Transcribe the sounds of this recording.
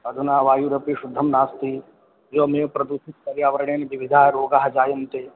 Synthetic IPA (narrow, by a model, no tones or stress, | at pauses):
ɐd̪ʱunaːʋaːjuɾɐpiʃʊd̪ʱːɐmnaːst̪i | d͡ʒoːmeːʋpɾɐd̪uʃɪt̪̚kɐɾjaːʋɐɾɐɳeniʋiʋid̪ʱaːɾoːɡaːɦd͡ʒaːjɐnt̪eː